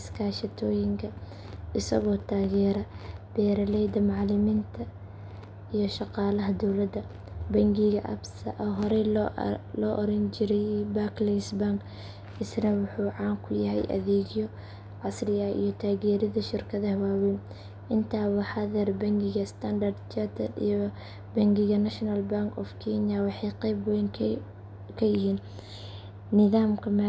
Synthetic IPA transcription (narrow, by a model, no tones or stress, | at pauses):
ɪskʰaːʃɪt̪ʰɔːjɪŋkʰɐ | ʔɪsɐ̰ɣɔːt̪ʰaːɣɛːɾɐb̥ɛːɾɐlɛjd̪ɐmɑʕlɪmint̪ʰɐ | ijɞʃɑqɑːlɐɦɐd̪ɔwlɐd̪ɐ | bɐŋɡɪɣɐʔɐ̰bsɐ̰ʔɔɦɔɾɛ | lɔːʔɔɾɐnt͡ʃɪɾɛjbaːklɛjsbaŋk | ɪsnɐwʊħuːʕɑːŋkʰʊjɐɦɛ̰jʔɐ̰ðɛːɣjɔ | ʕɑsrɪɐḭjɞt̪ʰaːɣɛːɾɪðɐʃɪrkʰɐðɐhwaːwɛn | ʔɪnt̪ʰaːwɑħaðɛrbɐŋɡɪɣɐst̪ʰɐnd̪ɐrd̪t͡ʃɐt̪ʰɐd̪ijɔ | bɐŋɡɪɣɐnɐʃnɐlbaŋkʰɔfkʰɛnjawɑħɑjqɛjbɡɛjŋ | kʰɐjɪɦiːn | nɪðaːmkʰɐma